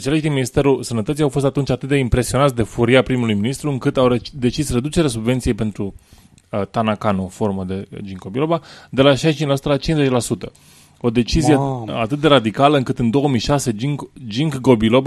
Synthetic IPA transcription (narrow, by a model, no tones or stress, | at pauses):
t͡ʃeleʃd̪inminist̪e̞ɾusənət̪ət̪sijawfo̞s̬t̪at̪unt͡ʃʲat̪ɨt̪̚d̪e̞impɾe̞sioat̪ʲd̪e̞fuɾiapɾimulujminist̪ɾuɨŋkɨt̪awred̪e̞t͡ʃisre̞d̪ut͡ʃe̞ɾeasubve̞nt̪sijejpe̞nt̪ɾu | t̪anakanoofo̞rməd̪e̞d͡ʒiŋko̞bilo̞bad̪e̞laʃajst͡ʃint͡ʃlasu̥t̪əlat͡ʃinzet͡ʃlasut̪ə | o̞d̪e̞t͡ʃizijeat̪ɨt̪̚d̪e̞ɾad̪ikaləɨŋkɨt̪ɨnd̪o̞wəmijʃase̞iŋd͡ʒiŋkɡo̞bilo̞b